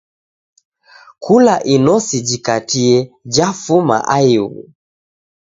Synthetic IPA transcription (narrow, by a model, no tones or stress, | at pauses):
kʰulaʔinɔsid͡ʒikatiɛd͡ʒafuma̰ʔaiwṵ